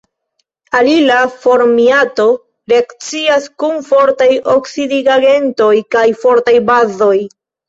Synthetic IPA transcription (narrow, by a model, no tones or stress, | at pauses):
alilafo̞ɾmiato̞ | ɾe̞akt͡siaskunfo̞ɾtajoksidiɡaɡe̞nto̞jkajfo̞ɾtajbazo̞j